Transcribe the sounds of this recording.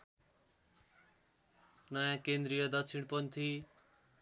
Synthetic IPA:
nʌjãkend̪ɾijʌd̪ʌkt͡sʰiɽ̃pʌnt̪ʰi

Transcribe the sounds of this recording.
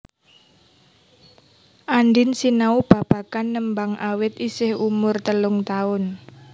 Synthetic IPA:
ʔanɖɪnsinaub̥a̤b̥a̤kanːəmbaŋawɪt̪isɪhumʊrt̪əlʊŋt̪aʊn

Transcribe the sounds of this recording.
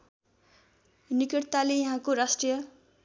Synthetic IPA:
nikiʈt̪alejaɦãkoɾasʈrijʌ

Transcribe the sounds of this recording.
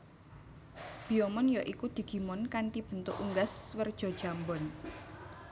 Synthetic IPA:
b̥i̤ɔmɔnjɔʔikud̪̥i̤ɡ̥i̤mɔnkanʈib̥ənt̪ʊʔuŋɡaswərd̥ʒ̥ɔ̤d̥ʒ̥a̤mbɔn

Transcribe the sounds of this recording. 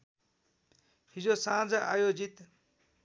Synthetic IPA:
ɦid͡zosãd͡zʌʔajod͡zit̪

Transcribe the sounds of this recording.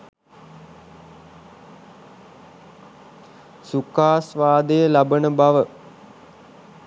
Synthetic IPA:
sukaːsʋaːd̪əjəlabənəbaʋə

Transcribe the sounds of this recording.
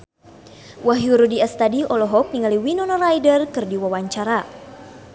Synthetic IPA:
waɦiuɾudiɛst̪adiɔlɔɦɔk̚niŋaliwinɔnɔrajdərkɨrdiwawaɲt͡ʃaɾa

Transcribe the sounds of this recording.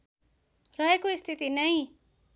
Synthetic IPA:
rʌɦekoist̪ʰit̪inʌj

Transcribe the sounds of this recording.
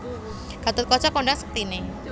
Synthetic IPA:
ɡ̥at̪ʊt̪̚kɔt͡ʃɔkoɳɖaŋsə̥k̚ət̪ine

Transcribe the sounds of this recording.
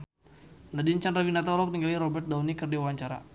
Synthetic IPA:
nadint͡ʃanrɾawinat̪alɔk̚niŋɡaliɾɔbɛrt̪̚dawnikɨrdiwawaɲt͡ʃaɾa̰

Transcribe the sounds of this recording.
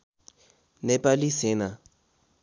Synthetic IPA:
nɛpʼalisɪna

